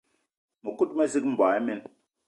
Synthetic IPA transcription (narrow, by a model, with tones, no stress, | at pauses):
mo˨ku˦tmɛ˦si˦km̩˨ba˨ɛ˦mɛ˦n